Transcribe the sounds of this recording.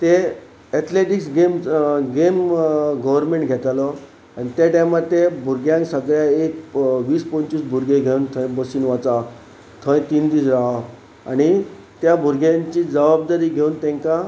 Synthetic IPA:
t̪e | ɛt̪ʰleʈiksɡemɡemɡəʋəɾmẽɳʈɡʱɛt̪alɔ | anit̪jaʈajmat̪ːebʱuɾɡjãŋksəɡɭjaekʋiːspɔɲt͡ɕuːsbʱuɾɡeɡʱeunt̪ʰə̃jbəsinʋat͡sa | t̪ʰə̃j̃t̪iːnd̪iːsɾaɦa | aɽ̃i | t̪jabʱuɾɡjãɲt͡ɕiːd͡zəʋab̚d̪aɾiːɡʱeunt̪ẽŋka

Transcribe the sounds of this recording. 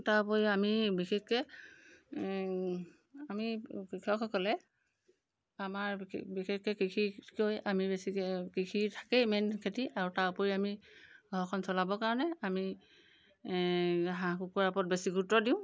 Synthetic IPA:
taɹpɔjiamibixʰekːɛ | amikikʰɔkʰɔkɔlɛ | amaɹbixʰekːɛkikʰikojamibesikikʰitʰḁkɛjmɛnkʰetiʔaɹutaɹpɔɹiamiɡ̥ʱɔɹɔkʰɔnsɔlabɔkaɹɔnɛami | ɦãkukuɹapɔt̚besiɡʱutɔdiʊ̃

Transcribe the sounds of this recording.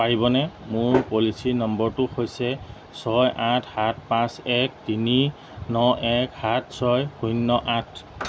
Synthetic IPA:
paɹibɔnɛmʊɹpolisinɔmbɔɹtʊxojsɛ | sɔjʔatʰhat̚ʰpãsɛk̚tini | nɔʔɛkhat̚ʰsɔjxʰujnːɔʔatʰ

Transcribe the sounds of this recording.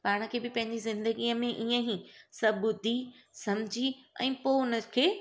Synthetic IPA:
paːɽ̃ə̆kʰeːbɪpɐ̃ɦɪ̃ɲd͡ʑizɪ̃nd̪əɡiəmẽʔiːə̃ɦisɐbʊd̪ʱi | sɐmd͡ʑʱiɛ̰̃ːpoːʊnəkʰeː

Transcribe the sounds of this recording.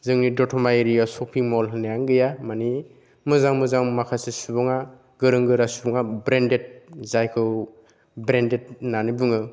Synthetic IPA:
zɯŋnidɔtʰɔmajɾijasɔpʰiŋmɔlɦɯnajaŋɡɯjamani | mɯzaŋmɯzaŋmakʰasesubɔŋa | ɡɯɾɯŋɡɯɾasubɔŋabɾendet̚zajkʰɯw | bɾendet̚nanibɯŋɯ

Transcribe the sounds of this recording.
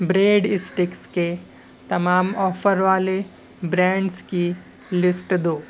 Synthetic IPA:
bɾeːɖɪsʈɪkske | t̪ɐmaːmɔːfəɾʋaːle | bɾɛ̃ːɳɖski | lɪsʈd̪oː

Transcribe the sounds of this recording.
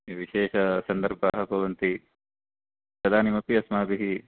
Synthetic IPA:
iʋiʃeːʃɐsɐnd̪ɐɾbʱaːɦɐbɐʋɐnt̪i | pɾɐd̪ʱaːnimɐpːiɐsmaːbiɦi

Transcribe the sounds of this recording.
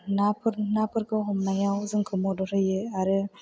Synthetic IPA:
napʰɯɾnapʰɯɾkʰɯɦɔmnajawzɯŋkʰɯmɔdɔɾɯjɯaɾɯ

